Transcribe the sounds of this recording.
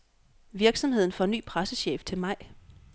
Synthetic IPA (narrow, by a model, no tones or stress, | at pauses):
ʋiɐɡ̥sɒ̽mhe̝ð̞̰ˠn̩fɒ̽nːy̰ːpʰʁasəɕḛːft͡sʰe̝lmɑ̈ɪ̰